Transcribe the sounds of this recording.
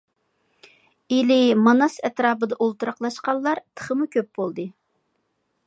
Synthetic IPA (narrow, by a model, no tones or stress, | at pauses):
ilɪmɑnɑsɛt̪ɾɑːbɨd̪ɑʔolˠt̪uɾɑqlˠɑʃqɑlːˠɑɾt̪ʰə̥χəmukʲʰøp̚b̥olˠd̪ɨ